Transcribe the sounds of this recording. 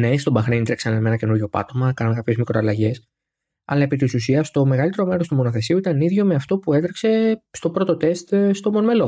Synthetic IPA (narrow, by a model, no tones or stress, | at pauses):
ne̞st̪o̞bɐxɾind̪ɾeksɐnemenɐce̞nuɾʝo̞pɐ̰t̪o̞mɐkɐnɐnkɐpçe̞zmikɾoɐlɐʝe̞s | ɐ̰lɐe̞pit̪isusiɐst̪o̞me̞ɣɐlit̪e̞ɾo̞me̞ɾo̞st̪umo̞no̞θe̞siuit̪ɐniðʝo̞meɐft̪o̞pue̞d̪ɾekse̞st̪o̞pɾo̞t̪ot̪e̞st̪st̪o̞monme̞lo̞